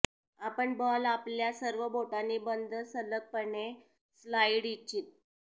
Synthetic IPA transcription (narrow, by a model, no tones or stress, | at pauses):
apəɳbalapljasəɾʋəbʱoʈaniːbənd̪ʱəsələk̚pəɳe | slaiɽit͡ɕiːt̪̚